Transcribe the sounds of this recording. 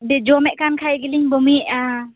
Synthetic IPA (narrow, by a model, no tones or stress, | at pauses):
dɛd͡ʒɔmɛʔkankʰajɡiliŋbɔmiʔa